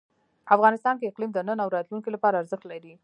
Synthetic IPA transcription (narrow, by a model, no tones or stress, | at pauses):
afɣɑnɪst̪ɑnkeɪqlimd̪ənənawɾɑt̪lunkilapɑɾaːɾzəxt̪laɾi